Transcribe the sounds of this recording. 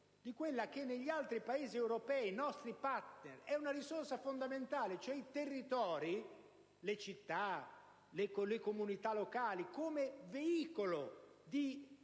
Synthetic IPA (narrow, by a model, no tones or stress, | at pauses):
d̪ikwelːak̟enːeʎːialt̪ɾipaeːziɛwɾopɛːinɔst̪ɾipaɾt̪nerɛunaɾisorsafond̪ament̪aːlet͡ʃoɛit̪erːit̪ɔːɾi | let͡ʃit̪ːa | lekolekomunit̪alokaːlikoːmeveiːkolod̪i